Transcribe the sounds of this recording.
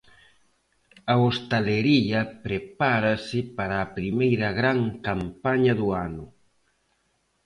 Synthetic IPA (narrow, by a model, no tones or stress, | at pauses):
ɐost̪aleɾiʎɐpɾepaɾɐsɪpaɾaːpɾimejɾɐɣɾaŋkampaɲɐðʊanʊ